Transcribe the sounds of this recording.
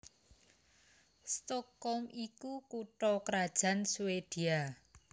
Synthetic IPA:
st̪ɔkɔmikukuʈɔkɾad̥ʒ̥a̤nsuwed̪̥ia

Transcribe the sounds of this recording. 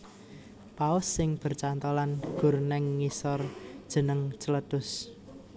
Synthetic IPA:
paʊsːɪŋb̥ə̤rt͡ʃant̪olanɡ̥ṳrnɛŋːisɔrd̥ʒ̥ə̤nəŋt͡ʃələd̪̥ʊs

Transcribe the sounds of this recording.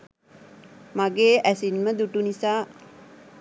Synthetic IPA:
maɡeːʔæsinməd̪uʈunisaː

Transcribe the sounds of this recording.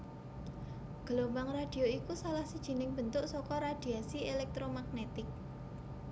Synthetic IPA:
ɡ̥ə̤lombaŋrad̪̥i̤oikusalahsid̥ʒ̥i̤nɪŋb̥ə̤nt̪ʊʔsɔkɔɾad̪̥iasielɛk̚t̪ɾomaɡ̚net̪ɪk̚

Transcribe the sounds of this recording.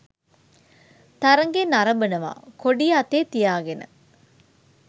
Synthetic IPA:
t̪aɾəŋɡenaɾɐbənəʋa̰ːkoɖijat̪eːt̪ijaːɡenə̰

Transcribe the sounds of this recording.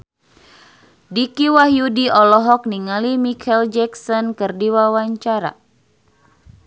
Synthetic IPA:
dikiwaɦjudiʔɔlɔɦɔk̚niŋalimikʰɛld͡ʒɛksɔnkərdiwawaɲt͡ʃaɾa̰

